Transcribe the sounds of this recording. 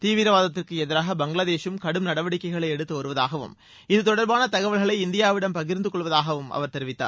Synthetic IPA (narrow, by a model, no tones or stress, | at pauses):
t̪iːʋɪɾɐʋaːðɐt̪ːɪrkɯɛðɪɾaːɣɐbɐŋɡɭaːðeːʂɯmkɐɽɯmnɐɽɐʋɐɽɪkːɐɪɣɐɭɐɪɛɽɯt̪ːɯʋɐɾɯʋɐðaːɣɐʋɯ̰m | ɪðɯt̪ɔɽɐɾbaːnɐt̪ɐɣɐʋɐlɣɐɭɐɪɪnd̪ɪjaːʋɪɽɐmpɐɣɪɾnd̪ɯkɔɭːʋɐðaːɣɐʋɯmʔɐ̰ʋɐɾt̪ɛɾɪʋɪt̪ːa̰ː